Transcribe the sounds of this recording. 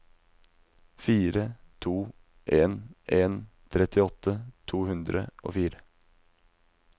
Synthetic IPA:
fiːɾət̪ʰuː | ʔeːnʔeːn | t̪ʰɾɛt̪ɪɔt̪ʰət̪ʰuːhʉnd̪ɾə̰ʔo̰ːfiːɾə

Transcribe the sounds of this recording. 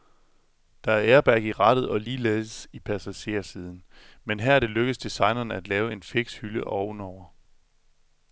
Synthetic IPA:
d̥ɑ̈æɐʔeɐb̥æɐɡ̥iʁɑ̈d̥ð̩ˠɒ̽liːleəsipʰæsæɕe̝ːɐsið̞ˠn̩menɦæɐ̰ɾ̥e̝løɡ̥əð̩sd̥isɑ̈ɪnɐnəæd̥lɛːʊe̝nfe̝ɡ̥shyləʔɒʊn̩ɒʊ̰ɐ

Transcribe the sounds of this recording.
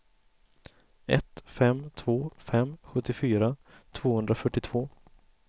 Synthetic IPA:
ɛ̰t̪fɛmːt̪ʰvoːfɛmɧɵt̪ːɪfyːɾa | t̪ʰv̥oːhɵnd̪ɾafœʈːɪt̪ʰv̥oː

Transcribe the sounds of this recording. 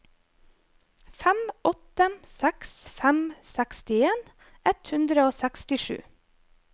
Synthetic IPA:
fæmʔɔt̪əsæksfæmsækst̪ɪeːn | ʔɛt̪hʉnd̪ɾəoːsækst̪ɪʃʉ̰ː

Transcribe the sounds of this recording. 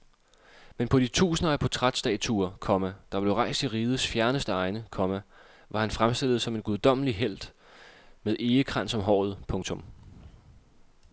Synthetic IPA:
menpʰɒ̽d̥it͡sʰṵːsənəæpʰɒt͡sʰʁad̥sd̥ɛ̰̥t͡sʰṵɐkʰɒ̽mæd̥ɑ̈b̥le̝ʊʁɑ̈ɪ̰sd̥iʁiːð̞ˠəsfjæɐnəsd̥əɑ̈ɪnəkʰɒ̽mæ | ʋɑ̈hænfʁamsd̥e̝lð̞̩ˠsɒ̽me̝nɡ̥uðˠd̥ɒ̽m̰əliɦel̰d̥ | meðˠʔe̝ːəkʰʁan̰sɒ̽mɦɒ̰ːð̞̩ˠpʰɔ̽ŋt͡sʰɔ̽m

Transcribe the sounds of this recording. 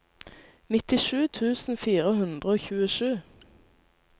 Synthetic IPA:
nɪt̪ɪʃʉːt̪ʰʉːsn̩fiːʁəhʉnd̪ʁəoːçʉːəʃʉː

